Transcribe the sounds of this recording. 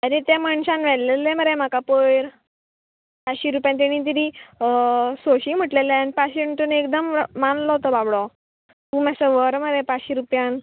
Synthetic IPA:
aɾit̪jaməɳɕãnʋɛlleleməɾem̤akapəjɾ | paɕiɾupjãnt̪̬eɽ̃ĩt̪̬əɾi | soɕim̤əʈleleanipaɕeɳʈunekd̪əmːanlɔɦot̪ɔbabɽo | t̪ũmasəʋəɾməɾepaɕiɾupjan

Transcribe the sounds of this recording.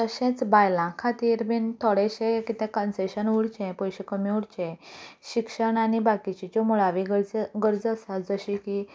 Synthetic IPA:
t̪əɕẽt͡sbajlãkʰat̪iːɾbint̪ʰɔɽeɕẽkit̪ɛ̃kənseɕənuɽt͡ɕɛ̃pɔjɕekəmjuɽt͡ɕɛ̃ɕikʂəɳañibakit͡ɕit͡ɕɔmuɭaʋiɡəɡəɾd͡zəsad͡zəɕiki

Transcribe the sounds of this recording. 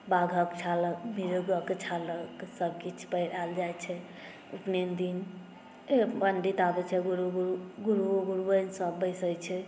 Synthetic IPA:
baɡʱəkt͡ʃʰaləkmiɾuɡəket͡ʃʰaləksəb̚ʱkit͡ʃʰpəɾald͡ʒajt͡ʃʰɛ | upnend̪in | ebəɳɖit̪abɛt͡ʃʰɛɡuɾuɡuɾuɡuɾuɡuɾubənsəbːəjsəjt͡ʃʰɛ

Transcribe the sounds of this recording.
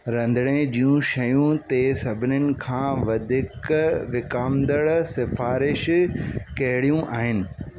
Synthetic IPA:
ɾɐ̃nd̪ʱɽ̃ed͡ʑijũʃɐjũt̪esɐbʱɪnʊnɪ̆kʰãːʋɐd̪ʱɪkʋɪkaːmd̪əɭsɪfaːɾɪʃkɐɦɪɽijũʔaːɦɪnɪ̆

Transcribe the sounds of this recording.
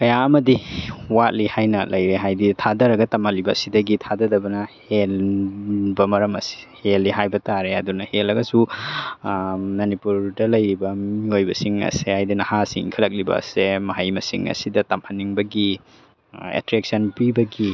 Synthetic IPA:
kɐjaɐmɐdiwat̚lihajnɐlʔɐjɾeɦajditʰadɐɾɐɡɐtɐmɐlibɐsidɐɡitʰadɐdɐbɐnɐhel | bɐmɐɾɐmɐsi̥helːiɦajbɐtaɾeɐdunɐhelɐɡɐsu | nɐnipuɾdɐlɐjɾibɐmiojbɐ̰siŋɐ̰sehajdinɐhasḭŋkʰɐlɐk̚libɐ̰semɐɦɐjmɐ̰sḭŋɐ̰sidɐtɐmhɐnːiŋbɐɡi | ḛtɾek̚sɐnpibɐɡi

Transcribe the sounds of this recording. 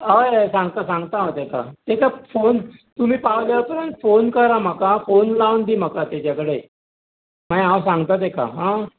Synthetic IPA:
ajsãŋɡt̪asãŋɡt̪aãt̪eka̰t̪ekafont̪um̤iːpawljat̪ənə̃nfonkəɾam̤akafonlawnd̪iːm̤akat̪jat͡ɕjakəɽe | majãwsãŋɡt̪at̪eka̰ɦã

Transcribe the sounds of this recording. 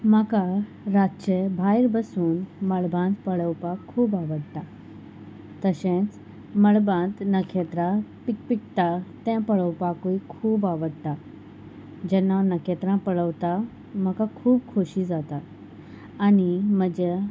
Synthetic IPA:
məka | ɾat͡ɕebʱajɾbəsuːnməɭbãnt̪pəɭəwpakʰuːbaʋəɽt̪a | t̪əɕẽt͡s | məɭbãnt̪nəkʰet̪ɾãpipikt̪at̪ãpəɭəwpakoikʰuːbaʋəɽt̪a | d͡ʑɛnːanəkʰet̪ɾãpəɭəʋt̪a | məkakʰuːb̚kʰoɕid͡zat̪a | animəd͡ʑe

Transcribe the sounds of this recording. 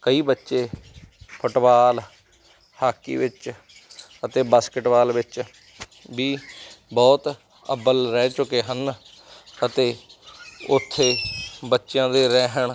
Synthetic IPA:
kəiːbətːʃeːpʰʊʈʋaːl | haːkːḭːʋɪt͡ʃ | ət̪eːbaːskɪʈʋaːlʋɪt͡ʃ | biːbɔːt̪ | ə̰bəlɾɛːt͡ʃʊkeːɦən | ət̪eː | ʊt̪ʰːeːbətːʃjãːd̪eːɾɛːɦəɳ

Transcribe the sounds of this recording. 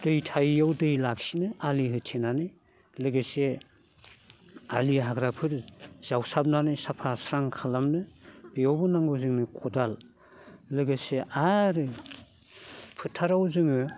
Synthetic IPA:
d̥ɯjtʰajawdɯjlak̚sinɯaliɦɯtʰenanɯj | lɯɡɯse | aliɦaɡɾapʰɯɾz̥awsab̚nanɯjsapʰasɾaŋkʰalamnɯb̥iawbɯnaŋɡɯwzɯŋnɯkʰɔdal | lɯɡɯseʔaɾɯ | pʰɯtʰːaɾawzɯŋɯ

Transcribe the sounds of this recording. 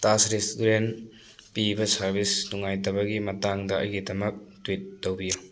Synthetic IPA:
tasɾesuɾen | pibɐsɐɾbisnuŋajtɐβɐɡimɐtaŋdɐɐ̰jɡidɐmɐk̚twit̚ːowbiju

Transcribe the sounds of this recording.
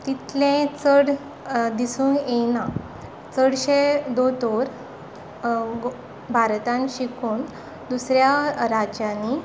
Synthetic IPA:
t̪it̪lẽt͡səɽ | d̪isuːnenã | t͡səɽɕed̪ot̪oɾ | bʱaɾt̪ãnɕikuːn | d̪usɾjaɾad͡ʑani

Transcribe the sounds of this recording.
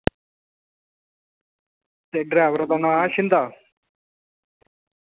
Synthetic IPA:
t̪eɖɾɛːʋəɾad̪anãːʃɪnd̪aː

